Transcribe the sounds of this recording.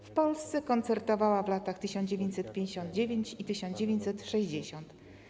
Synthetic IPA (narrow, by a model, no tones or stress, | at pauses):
fpɔlst̪sɛkɔnt̪sɛɾt̪ɔvawavlat̪axt̪ɘɕɔ̃nd͡ʑevʲeɲt͡ɕʲsɛt̪̚pʲjẽɲd͡ʑeɕɔ̃nd̪̚d͡ʑevʲjeɲt͡ɕit̪ɘɕɔnd͡ʑevʲeɲt͡ɕʲsɛt̪ʂɛʑd͡ʑeɕɔnt̪